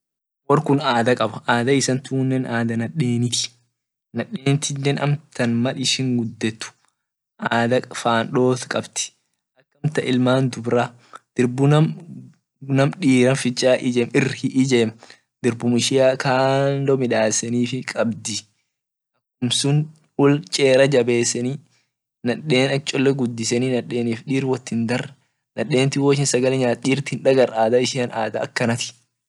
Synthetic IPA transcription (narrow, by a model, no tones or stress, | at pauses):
wɔrkʊnaːd̪ɐkʼɐbɐʔaːd̪ɐɪsɐnt̪uːnːɛnʔaːd̪ɐnɐɗeːnɪt̪ɪ̥ | nɐᶑeːnɪt̪ɪnːɛnʔɐ̰mt̪ɐnmɐlɪʃɪŋɡʊd̪ːɛt̪ːʊ̥ | ʔaːd̪ɐfaːnᶑo̞ːt̪kʼɐbt̪ɪ̥ | ʔɐkːɐmt̪ɐʔɪlmaːnd̪ʊbɾaː | d̪̥ɪɾbʊnɐm | nɐmᶑiːɾɐnfɪt͡ʃʼːaːʔɪd͡ʒɛːmɪrhɪʔɪd͡ʒeːm | d̪̥ɪɾbʊmɪʃɪjaːkʰaːndɔmɪᶑaːsɛniːfɪkʼɐbd̪ɪ | ʔɐkːʊmsʊn | ʊlt͡ʃʼeːɾɐd͡ʒɐbeːsːɛniː | nɐᶑe̞ːnɐt͡ʃʼɔlːɛɡʊd̪ːɪsɛniːnɐᶑːe̞ːniːfᶑiːɾwɐt̪ːɪnd̪ɐr | nɐɗːe̞ːnt̪ɪwoʃ̬ɪnsɐɡɐlɛɲaːt̪ʼiːɾt̪ːɪhɪnᶑɐɡɐɾʔaːd̪ɐɪʃɪɐnaːd̪ɐːkːɐnɐt̪ɪ̥